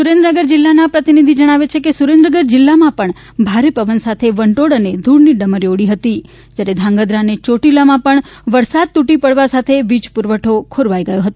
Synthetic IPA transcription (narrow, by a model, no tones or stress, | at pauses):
suɾẽnd̪ɾənəɡəɾd͡ʒɪlːanapɾət̪inid̪ʱid͡ʒəɽ̃aʋet͡ʃʰekesuɾẽnd̪ɾəɡəɾd͡ʒɪlːamãpəɳ | bʱaɾepəʋənsat̪ʰeʋəɳʈoɽəned̪ʱuɽniɖəməɾjoɽiɦət̪i | d͡ʒjaɾed̪ʱãŋɡəd̪ɾanet͡ʃoʈilamãpəɳʋəɾsad̪̚t̪uʈipəɽʋasat̪ʰeʋid͡ʒpuɾʋəʈʰokʰoɾʋajɡəjõɦət̪o